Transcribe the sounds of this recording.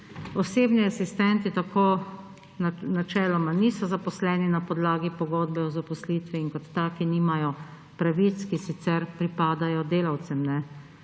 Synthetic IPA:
ɔseːbniasist̪ɛnt̪it̪akʰoː | nat͡ʃɛːlɔmaniːsɔzapɔslɛninapɔd̪laːɡipɔɡoːd̪bɛɔzapɔslit̪ʋiːŋkɔt̪ːakiniːmajɔ | pɾaʋit̪skisit̪sɛɾpɾipaːd̪ajɔd̪eːlawt̪sɛmnɛ

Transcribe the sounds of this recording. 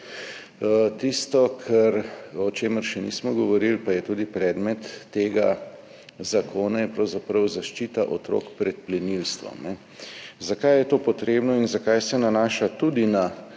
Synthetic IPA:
t̪ist̪ɔkʰɛɾɔt͡ʃeːməɾʃɛnḭːsmɔɡɔʋɔɾilpajɛt̪uːd̪ipɾɛːd̪mɛt̪ːeːɡa̰ | zakʰoːnajɛpɾɐwzapɾɐwzaʃt͡ʃiːt̪aʔɔt̪ɾo̰ːkpɾɛt̪̚plɛnilst̪ʋɔ̰mnɛ | zakajjɛt̪oːpɔt̪ɾeːbnɔinzakajsɛnanaːʃat̪uːd̪ina

